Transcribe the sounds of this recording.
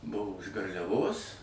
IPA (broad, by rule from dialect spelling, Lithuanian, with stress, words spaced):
ˈbʊʋoː ɪʃ ɡɐrʲlʲɛˈʋoːs